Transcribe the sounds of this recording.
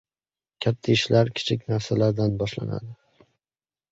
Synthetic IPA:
kʲʰat̪ʰːaɪʃlaɾkʲʰɪ̥t͡ʃʰɪkʲnaɾsalaɾd̪anbɒʃla̰na̰d̪ɪ

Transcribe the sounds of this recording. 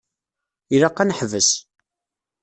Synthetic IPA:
iɾɑqːænəħvəs

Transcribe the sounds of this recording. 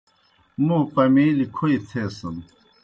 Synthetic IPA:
mũpɐmiːlikʰoit̪ʰeːsɐm

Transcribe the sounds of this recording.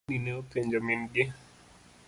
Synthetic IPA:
nineopeɲd͡ʒomɪnɡɪ

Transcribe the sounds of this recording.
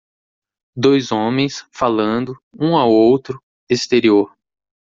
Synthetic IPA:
d̪ojzõmẽj̃sfalɐ̃nd̪ʊũawowt̪ɾʊ | est̪eɾioɾ

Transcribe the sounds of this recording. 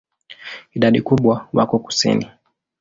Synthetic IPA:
iɗaɗikuɓwawa̰kɔku̥sḭni

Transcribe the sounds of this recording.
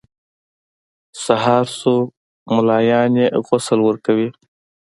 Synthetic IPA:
saɦɑːɾso | mʊlɑːjɑːnjeɣʊsəlwəɾkawi

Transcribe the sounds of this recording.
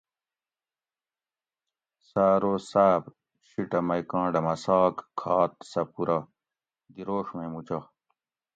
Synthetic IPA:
saːɾoːsaːb | ɕiʈɐmɐjkãːɳɖɐmɐsaːkkʰːaːt̪̚sɐpuɾɐ | d̪iɾoːʂmemut͡ɕɐ

